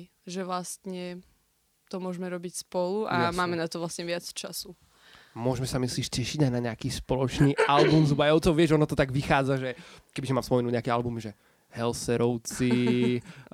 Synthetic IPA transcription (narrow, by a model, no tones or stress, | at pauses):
ʒɛʋlast̪ɲɛ | t̪ɔmʊɔʒmɛɾɔbicspɔluamaːmɛnat̪ɔʋlast̪ɲɛʋɪat͡st͡ʃasu | mʊɔʒmɛsamisliːʃcɛʃiɟajnaɲɛakiːspɔlɔt͡ʃniːalbumzubajɔʊt͡sɔʊʋɪɛʒɔnɔt̪ɔt̪aɡʋixaːd͡zaʒɛkɛbiʒɛmamspɔmɛnuɲɛakɛalbumʒɛ | ɦɛlsɛɾɔʊt͡si